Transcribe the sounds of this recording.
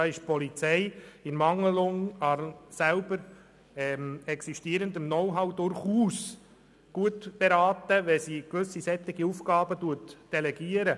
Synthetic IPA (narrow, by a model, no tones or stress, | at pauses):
ɑːɪʃpʰɔlit͡sɛɪɪnmɑŋəlʊŋɑsælbəɾ | ɛmɛksiʃtiəɾəndəmnɔwɦɑwdʊɾχuːs | ɡ̥uətb̥eɾɑːtəʋɛsiːkʋʏsːisɛt̪ːɪɡiufɡɑːbətuətd̥ɛlɛɡiəɾə